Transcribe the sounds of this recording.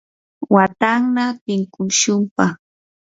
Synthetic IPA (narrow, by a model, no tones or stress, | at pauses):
wat̪aŋnapɪŋkʊʃʊmpaχ